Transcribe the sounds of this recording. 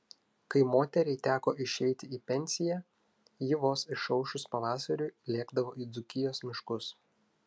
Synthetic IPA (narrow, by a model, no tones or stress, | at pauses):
kɐɪmoːt̪ʲɛɾʲɛɪt̪ʲæːkoːʔɪʃʲɛɪt̪ʲɪiːpʲɛnʲsʲɪjæ | jɪʋoːsɪʃɐʊʃʲʊspɐʋɑːsɐɾʲʊjlʲeːɡd̪ɐʋoːiːd̪zʊkʲɪjoːsmʲɪʃkʊs